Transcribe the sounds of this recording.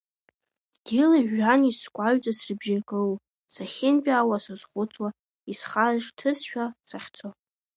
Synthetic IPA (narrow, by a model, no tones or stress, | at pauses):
ɡ̥ʲɪlaʒᶣːaniskʷʼaɥt͡sʼasrɨbʒarkʼɨl | saχʲɪnpʲʼaːwasazχʷʊt͡sʰʼwa | isχazʂtʰɨsʃᶣasaχʲt͡sʰo